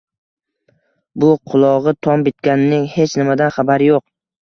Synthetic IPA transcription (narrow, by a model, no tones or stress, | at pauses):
bʊqʰʊlˠɒʁɨt̪ʰɒmbɪt̪̚kʲanɪnɪŋhe̞t͡ʃnɪmad̪anχabaɾɪjoq̚